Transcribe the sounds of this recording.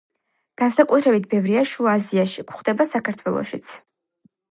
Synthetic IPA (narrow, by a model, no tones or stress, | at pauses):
ɡ̥ansakʼut̪ʰɾɛbit̪̚ʰbɛvɾiaʃuaziaʃikʷʰχd̪ɛbasakʰaɾt̪ʰwɛlˠɔ̰ʃit̪sʰ